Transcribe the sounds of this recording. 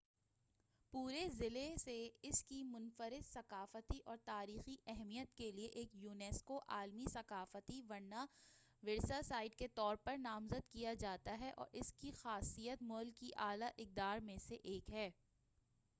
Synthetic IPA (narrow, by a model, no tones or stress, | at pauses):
puːɾezɪleseɪskimʊnfəɾɪd̪sɐqaːfət̪iʔɔːɾt̪aːɾiːxiɛɦmijət̪kelieʔeːkjuːneːskoʔaːlmisɐqaːfət̪iʋɐɾna | ʋɪɾsasaːɪɖket̪ɔːɾpɐɾnaːmzəd̪kijad͡ʒaːt̪aɦɛʔɔ̰ːɾʔɪskixaːsijət̪mʊːlkːiʔaːlaʔɪk̚d̪aːɾmẽseʔeːkɦɛː